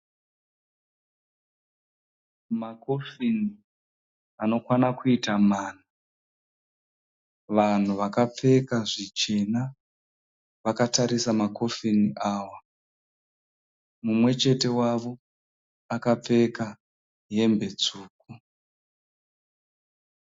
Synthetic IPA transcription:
makofini | ano̞kwanakuitamaːn̤a | ʋan̤uʋakap͡fe̞kaʐit͡ʃe̞na | ʋakataɾisamako̞finiʔaːwa | mumwe̞t͡ʃe̞te̞waʋo̞ | akap͡fe̞ka | je̞mbe̞t͡suːk̚u

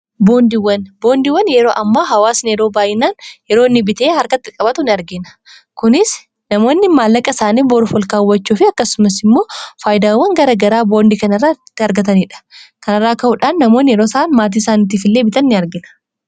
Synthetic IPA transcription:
bo̞ːnd̪ɪwɐnbo̞ːnd̪ɪwɐnjɛɾo̞ːʔɐmːaːɦɐwaːsnɪjɛɾo̞ːbaːʔɪnaːnjɛɾoːnːɪbɪt̪e̞ːhɐɾkɐt̪ːɪkʼɐbɐt̪ʊnɪɐɾɡɪnɐ̥ | kʊnɪs | nɐmo̞ːnːɪmaːlːɐkʼɐsaːniːbɔːɾfɔlkaːwːɐt͡ʃːuːfɪɐkːɐsʊmɐsɪmːo̞ːfaːjɪd̪aːwːɐŋɡɐɾɐɡɐɾaːbo̞ːnd̪ikɐnɐrːat̪ːɪɐɾɡɐt̪̬ɐniːᶑɐ̥kɐnɐrːaːkɐʔʊᶑaːnːɐmoːnjɛɾo̞ːsɐʔːnmaːt̪̬iːsaːniːt̪̬iːfɪlːe̞ːbɪt̪ɐnːɪɐɾɡɪnɐ̥

